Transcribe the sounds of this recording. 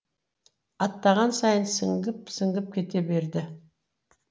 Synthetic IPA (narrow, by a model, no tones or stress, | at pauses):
ɑt̪ːɑʁɑnsɑjənsəŋɡəp̚səŋɡəp̚kʲʰe̞t̪e̞be̞ɾd̪ɪ